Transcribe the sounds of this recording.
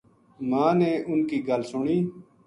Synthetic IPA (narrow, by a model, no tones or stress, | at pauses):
mãːneːʔʊnkiːɡəlsʊɳiː